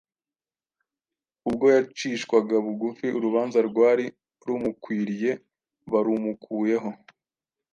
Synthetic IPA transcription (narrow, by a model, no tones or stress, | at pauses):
ubɡo̞jat͡ʃiːʃkwaɡaβuɡufiʔuɾuβaːnzaɾɡwaːɾi | ɾumukwiːɾije̞ | βaɾumukʰuːje̞ɦo̞